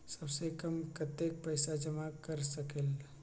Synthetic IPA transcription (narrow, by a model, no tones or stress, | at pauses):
sɐbsekɐmkət̪ek̚pɛɪsad͡ʒɐmakɐɾsɐkel